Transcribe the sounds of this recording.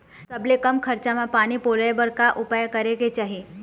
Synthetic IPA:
səblekəmkʰəɾt͡ʃamãpaɽ̃ipoːləjbəɾkaʔʊpajəkəɾeket͡ʃaːɦi

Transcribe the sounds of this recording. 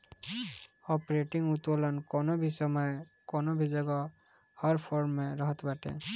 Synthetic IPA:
ɔpɔɹeʈiŋut̪ɔlɔnkɔnɔbʱisɔmɔj | kɔnɔbʱizɔɡɔ | hɔɹpʰɔɹmɛɾɔɦɔt̪baʈɛ̰

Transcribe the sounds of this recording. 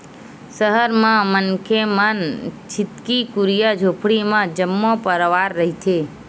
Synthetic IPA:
səɦəɾmãmənkʰemənt͡ʃʰɪt̪kikuɾijəd͡ʒʱopʰɽimãd͡ʒəmːopəɾʋaɾːəɦit͡ʃʰe

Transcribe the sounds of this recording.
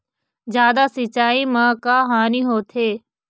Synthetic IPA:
d͡ʒjaːd̪asɪt͡ʃaːimãːkaːɦaːniɦoːt̪ʰeː

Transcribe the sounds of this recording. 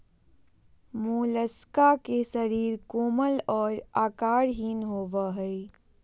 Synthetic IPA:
muləskakesəɾiːɾkoːməlɔːɾaːkaːɾɦiːnɦoːʋəɦəi

